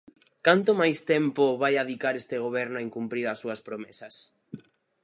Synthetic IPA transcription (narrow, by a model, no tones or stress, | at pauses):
kant̪ʊmajst̪ɛmpʊβajaðikaɾest̪ɪɣ̞oβɛɾnʊaeiŋkumpɾiɾɐsːuɐspɾomɛsɐs